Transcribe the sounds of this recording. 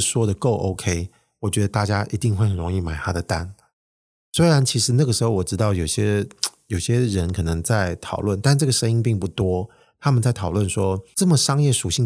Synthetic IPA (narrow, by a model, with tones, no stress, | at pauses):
ʂwɔ˥d̪ə˨ko˥˩ʊʔo˥ʊkʰe˥ɪ | wɔ˨˩t͡ɕɥɛ˧˥d̪ə˧t̪a˥˩t͡ɕja˥ʔi˧˥t̪i˥˧ŋxwe˥˩xə˨˩nɻʊ˧˥ŋi˥˩ma˨˩ɪt̪ʰa˥ɾə˨t̪a̰˥˩n | swe˥ɪɻa˧˥nt͡ɕʰi˧˥ʂɻ̩˧˥na˥˩ɡə˩ʂɻ̩˧˥xo˥˧ʊwɔ˨˩ʈ͡ʂɻ̩˧˥t̪ɑ˥˩ʊjo˨˩ʊɕjɛ˥jo˨˩ʊɕjɛ˥ɻə˧˥nkʰɤ˨˩nɤ˧˦ŋt͡sa˥˩ɪt̪ʰɑ˨˩ʊlwə˥˩nt̪a˥˧nʈ͡ʂɤ˥˩ɡə˩ʂə˥ni˥ŋpi˥˧ŋpu˥˩t̪wɔ˥ | t̪ʰa˥mə˨nt͡sa˥˩ɪt̪ʰɑ˨˩ʊlwə˥˩nʂwɔ˥ʈ͡ʂɤ˥˩mə˨˩ʂɑ˥ŋjɛ˥˩ʂu˨˩ɕi˥˩ŋ